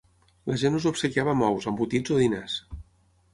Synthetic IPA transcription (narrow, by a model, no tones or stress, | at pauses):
ləʒenuzupsəkiaβəmɔwzəmbut̪id͡zoðinas